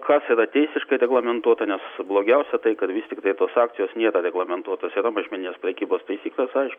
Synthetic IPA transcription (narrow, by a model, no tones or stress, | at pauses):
kɑsiːɾɐt̪ʲɛɪsʲɪʃkɐɪɾʲɛɡlˠɐmʲɛnt̪uɔt̪ɐnʲɛsblˠoːɡʲɛʊsʲɛt̪ɐɪkɐt̪ʋʲɪst̪ʲɪkt̪ɐɪt̪oːsɑːk̚t̪ʲɪjoːsnʲiːɾɐɾʲɛɡlˠɐmʲɛnt̪uɔt̪oːsiːɾɐmɐʒʲmʲɛnʲɪnʲeːspʲɾʲɛkʲiːboːst̪ɐɪsʲiːklʲeːsɐɪʃkʊ